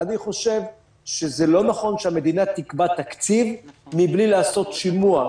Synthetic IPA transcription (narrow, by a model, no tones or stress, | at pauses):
aniχo̞ʃe̞v | ʃezelo̞naχo̞nʃeame̞d̪inat̪ikbat̪akt͡sivmiblilaːso̞t̪ʃimua